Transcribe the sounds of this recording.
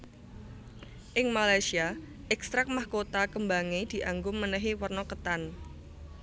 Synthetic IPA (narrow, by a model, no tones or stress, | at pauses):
ʔɪŋmalajsia | ʔɛkst̪ɾak̚mahkot̪akəmbaŋid̪̥i̤ʔaŋɡʊmːənəɦiwərnɔkət̪an